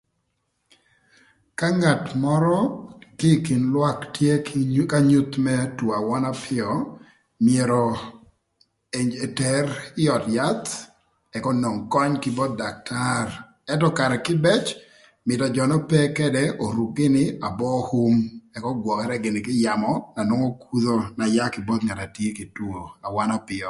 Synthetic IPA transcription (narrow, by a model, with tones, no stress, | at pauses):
ka˦ŋa˨tmɔ˦ɾɔ˦kɪ˦ki˨nlwa˦ktje˦ka˦ɲu˦t̪mɛ˦two˨a˨wɔ˦na˦pʰɪ˦ɔ˨ | mɪe˨ɾɔ˨ | e˨ɲd͡ʒe˨tɛ˦rɪ˦ɔ˨tja˦t̪ | ɛ˨kɔ˦no˨ŋkɔ˦ɲkɪ˦bo˦t̪̚da˨k̚tʰar | ɛ˦tɔ˦ka˨ɾɛ˨kɪ˦bɛ˦t͡ʃ | mɪ˨tɔ˨d͡ʒɔ˨nɔ˦pɛ˦kɛ˦dɛo˨ɾu˨kːɪ˦nɪ˦a˨bɔ˦hu˦mɛ˨kɔ˦ɡwɔ˨kɛ˦ɾɛ˦ɡɪ˨nɪ˨kɪ˦ja˨mɔna˨no˦ŋo˦kʰu˦ðo˦na˨ja˦kɪ˨bo˦t̪ŋa˨ta˨tje˦kɪ˨two˨a˨wa˦na˦pɪ˨ɔ˨